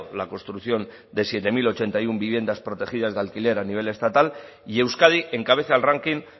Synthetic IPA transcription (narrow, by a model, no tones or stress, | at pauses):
lako̞nst̪ɾuθjo̞n | d̪e̞sje̞t̪e̞milo̞t͡ʃe̞nt̪ajumbiβje̞nd̪aspɾo̞t̪e̞xið̞azðalkile̞ɾaniβ̞e̞le̞st̪at̪al | ie̞wskaðiʔe̞ŋkaβ̞e̞θalraŋkin